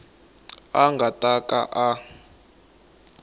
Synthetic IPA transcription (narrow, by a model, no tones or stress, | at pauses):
aŋɡʱatʼakʼa̰ʔa